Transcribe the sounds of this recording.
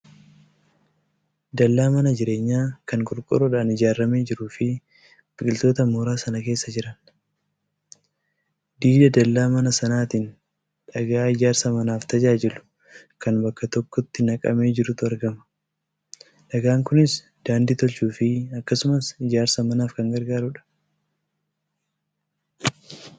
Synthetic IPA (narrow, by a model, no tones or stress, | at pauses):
d̪ɐlːaːmɐnɐd͡ʒɪɾe̞ːɲːaːkɐŋkʼɔɾkʼɔ̰ɾɔᶑaːnɪd͡ʒaːrːɐme̞ːd͡ʒɪɾuːfɪ | bɪkʼɪlt̪o̞ːt̪ɐmoːɾaːsɐnɐke̞ːsːɐd͡ʒɪɾɐn | d̪iːd̪ɐd̪ɐlːaːmɐnɐsɐnaːt̪iːn | ᶑɐɡaːɪd͡ʒaːɾsɐmɐnaːft̪ɐd͡ʒaːd͡ʒɛlʊ̥ | kɐnbɐkːɐt̪ɔkːɔt̪ːɪnɐkʼɐ̰meːd͡ʒɪɾʊt̪ʊɐɾɡɐmɐ̥ | ᶑɐɡaːŋkʊnɪs | d̪̥aːnd̪ɪt̪ɔlt͡ʃuːfɪɐkːɐsʊmɐsɪd͡ʒaːɾsɐmɐnaːfkɐŋɡɐɾɡaːɾʊᶑɐ̥